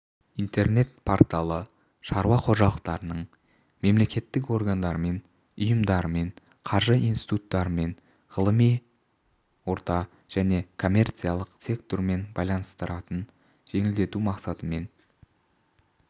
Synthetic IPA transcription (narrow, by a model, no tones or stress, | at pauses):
int̪e̞rne̞t̪pʰoɾt̪alˠə | ʃɑɾwɑqʰo̞ʒɑlˠəq̚t̪ɑɾənəɴ | me̞mle̞kʲe̞t̪ːɪk̬o̞ɾɡand̪ɑɾəme̞n | ʊjəmd̪ɑɾəme̞ɴ | qʰɑɾʒəinst̪i̥t̪ut̪ːɑɾəme̞ɴ | ʁəlˠəmij | wo̞ɾt̪ɑ | ʒ̥æne̞kʰo̞mʲe̞rt̪sɨjalˠəqsʲe̞kt̪o̞ɾme̞nbɑjlˠɑnəst̪əɾɑt̪ən | ʒ̥e̞ŋɪld̪e̞t̪umɑqsɑt̪əme̞n